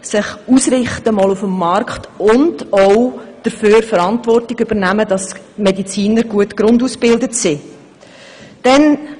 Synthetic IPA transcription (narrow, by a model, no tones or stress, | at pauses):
sɪχuːsɾɪχtəmɔːlufəmːɑrkχtʊndɔʊd̥əɾføːɾfəɾɑntvɔrtɪɡʏb̥əɾnæmədɑs | mɛdit͡siːnəɾɡ̥uətɡɾʊnduːsb̥ɪldətsi | d̥ɛn